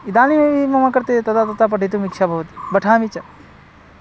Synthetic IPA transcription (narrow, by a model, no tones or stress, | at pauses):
id̪aːnimebimɐmakɐɾt̪et̪ɐt̪at̪ɐt̪ap̬ɐʈʰit̪̬umikt͡ʃʰabɐɦut̪ibɐʈʰaːmit͡ʃɐ